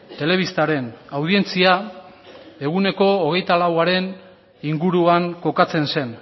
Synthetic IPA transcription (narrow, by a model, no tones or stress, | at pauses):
t̪e̞le̞βist̪aɾe̞nawð̞ie̞nt͡sia | e̞ɣ̞une̞ko̞ːɣ̞e̞jt̪alawaɾe̞n | iŋɡuɾuaŋko̞kat͡se̞nse̞n